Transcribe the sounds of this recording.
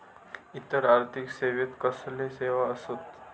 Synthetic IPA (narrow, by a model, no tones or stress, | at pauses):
it̪ːəɾaɾt̪ʰikseːʋit̪kəsleseʋaəsot̪